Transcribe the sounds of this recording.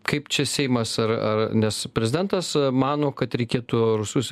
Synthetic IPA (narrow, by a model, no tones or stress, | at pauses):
kɐɪpt͡ʃʲɛsʲɛɪmɐsɐrɐ̰rnʲɛspʲɾʲɛzʲɪd̪ʲɛnt̪ɐsmɑːnoːkɐt̪ɾʲɛɪkʲeːt̪ʊɾʊsʊs